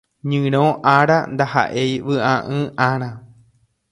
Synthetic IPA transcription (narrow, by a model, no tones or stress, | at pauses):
ɲɨ̃ɾ̃õʔaɾa̰nd̪aha̰ʔe̞jʋɨʔãʔɨ̃ʔãɾ̃ã